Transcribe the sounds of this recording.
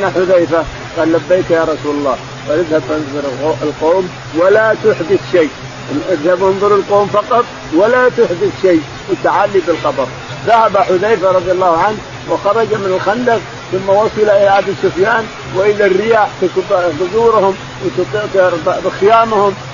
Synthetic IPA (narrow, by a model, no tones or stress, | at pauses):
naħʊðajfa | qɑːllabːejk̪jɑɾˤɑsuːlɑlˤːɑː | walɪðhabfanðˤʊɾʔɪlqoːm | walat̪ʊħd̪ɪθʃeː | ʔʔɪðhabʔɪnðˤʊɾɪlqoːmfɑqɑt̪ˤ | walat̪ʊħd̪ɪθʃej | wɪt̪aʕalːibɪlxɑbɑɾˤ | ðahabaħʊðajfaɾˤɑðˤjɑlːɑːhʊʕanh | wɪxɑɾˤɑd͡ʒamɪnɪlxand̪aq | θʊmːawɑsˤɑlaʔɪlaʔabisʊfjaːn | wɪʔɪlːarːɪjaːħt̪ɪkbt̪ʊzˤuːɾhʊm | wɪt̪ʊt̪ˤibbɪxɪjaːmahʊm